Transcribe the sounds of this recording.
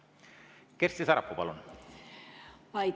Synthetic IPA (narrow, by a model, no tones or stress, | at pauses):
keɾst̪isæɾɑpːupɑ̰lun | pɑj